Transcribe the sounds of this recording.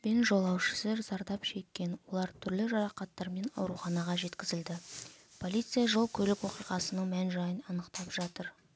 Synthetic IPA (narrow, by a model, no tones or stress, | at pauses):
pe̞nʒo̞lˠɑwʃə̥seɾzɑɾd̪ɑpʃe̞kʲːe̞nwo̞lˠɑɾt̪ʰʏɾlɪʒɑɾɑqɑt̪ːɑɾme̞nɑ̰wɾuχɑnɑʁɑʒe̞t̪kʲɪzɪld̪ɪpʰo̞lijt̪sɨijaʒolˠkʲʰɵlɪkwo̞qijʁɑsənəɴmænʒɑjənɑnəqt̪ɑpʒ̥ɑt̪əɾ